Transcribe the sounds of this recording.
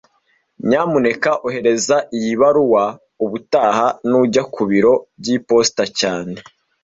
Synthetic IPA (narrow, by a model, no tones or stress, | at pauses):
ɲaːmune̞kaʔuɦe̞ɾe̞zaijiβaɾuwa | uβutaːhanuɟakuβiɾo̞bɟiːpo̞stacaːne̞